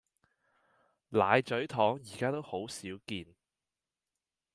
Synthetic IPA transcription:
laː˨˧jt͡sɵ˨˥ɥt̪ʰɔː˨˥ŋjiː˨˩kaː˥t̪o˥who˨˥wsiː˨˥wkiː˧n

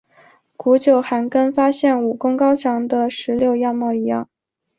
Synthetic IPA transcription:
ku˧˥t͡ɕjo˨˩ʊxa˧˥nkə˥nfa˥ɕjɛ˥˩nu˨˩kʊ˥ŋkɑ˥ʊt͡ɕʰjɑ˧˥ŋd̪ə˧ʂɻ̩˧˥ljo˥˧ʊja˥˧mwɔ˥˩i˧˥jɑ̰˥˩ŋ

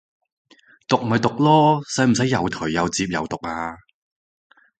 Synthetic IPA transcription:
t̪ʊ˨k̚m̩˨˩ɐ˨jt̪ʊ˨k̚lɔː˥sɐ˨˥jm̩˨˩sɐ˨˥jːɐ˨˧wt̪ʰɵ˨˩jjɐ˨˧wt͡siː˧p̚jɐ̰˨wt̪ʊ˨˩k̚aː˧

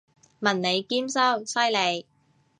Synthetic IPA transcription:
mɐ˨˩nne˨˧jkiː˥msɐ˥wsɐ˥jle˨˧j

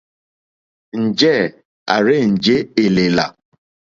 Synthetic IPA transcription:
n̩˨d͡ʒɛ˦˨ | a̰˨ɾɪ˦n̩˨d͡ʒe˦e˨le˨la̰˨

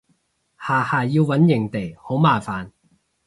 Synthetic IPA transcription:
haː˨˩haː˨˩jiː˧wwɐ˨˥njɪ˨˩ŋt̪e˨˩jho˨˥wmaː˨˩faː˨n

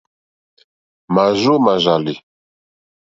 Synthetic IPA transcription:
ma˨ʒo˦ma˨ʒa˨li˨

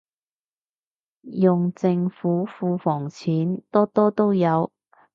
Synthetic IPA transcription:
jʊ˨ŋt͡sɪ˧ŋfuː˨˥fuː˧fɔː˨˩ŋt͡sʰiː˨˥nt̪ɔː˥t̪ɔː˥t̪o˥wjɐ˨˧w

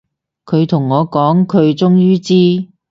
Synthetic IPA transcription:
kʰɵ˨˧ɥt̪ʰʊ˨˩ŋːɔː˨˧kɔː˨˥ŋkʰɵ˨˧ɥt͡ʃʊ˥ŋjyː˥t͡siː˥

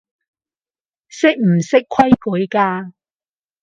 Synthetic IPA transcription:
sɪ˥k̚m̩˨˩sɪ˥kʰɐ˥jku˨˥jkaː˧

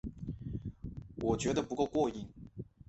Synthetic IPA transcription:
wʔɔ˨˩t͡ɕɥɛ˧˥d̪ə˧pu˧˥ko˥˧ʊkwɔ˥˧i˥˩ŋ

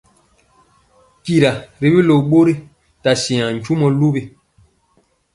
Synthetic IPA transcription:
ki˦ɾa˨ɾi˨˦bi˦lo˨ɓo˦ɾi˦ | ta˨si˨ã˨n̩˨t͡ʃu˦mɔ˦lu˦bi˨

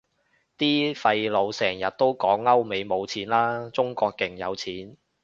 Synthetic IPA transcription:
t̪iː˥fɐ˧jlo˨˧wsɛː˨˩ŋjɐ˨t̚t̪o˥wkɔː˨˥ŋlɐ˥wme˨˧jmo˨˧wt͡sʰiː˨˥nlaː˥t͡sʊ˥ŋkɔː˧kːɪ˨˩ŋjɐ̰˨˧wt͡sʰiː˨˥n

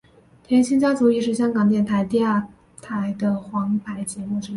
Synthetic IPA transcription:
t̪ʰjɛ˧˥nɕʰi˥ŋt͡ɕjɑ˥t͡su˧˥i˥˧ʂ̬ɻ̩˥˩ɕjɑ˥ŋkɑ˨˩ŋt̪jɛ˥˩nt̪ʰa˧˥ɪt̪i˥˧a˥˩ | t̪ʰa˧˥ɪd̪ə˧xwɑ˧˥ŋpʰa˧˥ɪt͡ɕjɛ˧˥mu˥˩ʈ͡ʂɻ̩˥

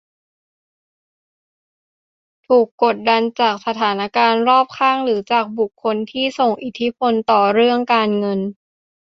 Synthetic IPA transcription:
t̪ʰuː˨˩kːo˨˩t̪̚da˧nt͡ɕaː˨˩k̚sa˧t̪ʰaː˩˦na˧˩kaː˧nɾɔː˥˩p̚kʰaː˥˩ŋɾɯː˩˦t͡ɕaː˨˩k̚bu˨˩kʰːo˧nt̪ʰiː˥˩so˨˩ŋʔi˨˩t̪ʰːi˦˥pʰo˧nt̪ɔː˨˩ɾɯ˥˩əŋkaː˧nŋɤ˧n

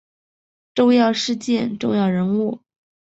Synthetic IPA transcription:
ʈ͡ʂʊ˥˧ŋjɑ˥˧ʊʂɻ̩˥˧t͡ɕjɛ˥˧nʈ͡ʂʊ˥˧ŋjɑ˥˩ʊɻə˧˥nu˥˩

